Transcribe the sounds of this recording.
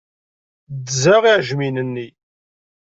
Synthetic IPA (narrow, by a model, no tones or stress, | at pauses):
d̪zæʁiʕʒminənːi